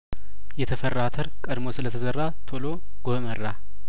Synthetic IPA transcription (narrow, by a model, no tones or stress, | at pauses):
jɛt̪ʰəfərːat̪ʰəɾkʼəd̪mo̞sɨlət̪ʰəzərːat̪ʰolo | ɡ̥omərːa